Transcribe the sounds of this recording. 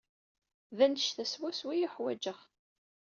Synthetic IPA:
ðænə̥ʃθæswæswijiħwæd͡ʒəʁ

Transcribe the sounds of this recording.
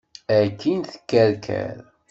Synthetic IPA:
ækːinθə̥kːæɾkʰæ̰ɾ

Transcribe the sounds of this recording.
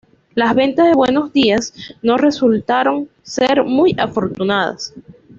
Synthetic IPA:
lazβe̞nt̪aðe̞βwe̞no̞zd̪iasno̞re̞sult̪aɾo̞ŋ | seɾmujafo̞ɾt̪unað̞a̰s

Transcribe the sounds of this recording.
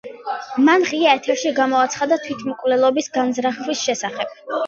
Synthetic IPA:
manʁiaɛt̪ʰɛɾʃiɡamɔat̪sʰχad̪at̪ʰwit̪ʰmɔkʼvlɛlˠɔbisɡanzɾaχwisʃɛsaχɛb̥̚

